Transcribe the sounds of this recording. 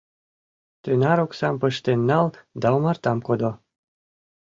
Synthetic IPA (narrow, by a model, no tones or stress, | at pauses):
t̪ønɑɾoksɑmpəʃt̪enːɑld̪ɑumɑrt̪ɑmkod̪o